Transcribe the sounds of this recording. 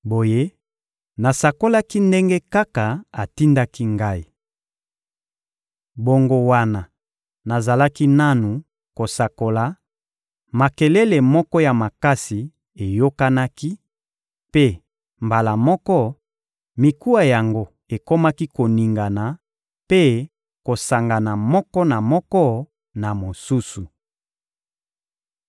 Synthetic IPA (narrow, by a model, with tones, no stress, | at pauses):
bo˨je˦ | na˨sa˨ko˦la˦ki˦nde˦ŋɡe˦ka˦ka˨a˨ti˦nda˦ki˦ŋɡa˦i˨ | bo˦ŋɡo˦wa˦na˨ | na˨za˨la˦ki˦na˦nu˨ | ko˨sa˨ko˨la˨ | ma˨kɛ˨lɛ˦le˨mɔ˦kɔ˦ja˨ma˨ka˦si˨ | e˨jo˦ka˦na˦ki˦ | pe˦ | mba˨la˨mɔ˦kɔ˦ | mi˨ku˦a˦ja˨ŋɡo˦ | e˨ko˦ma˦ki˦ko˨ni˨ŋɡa˨na˨ | pe˦ | ko˨sa˨ŋɡa˨na˨mɔ˦kɔ˦na˨mɔ˦kɔ˦ | na˨mo˨su˦su˨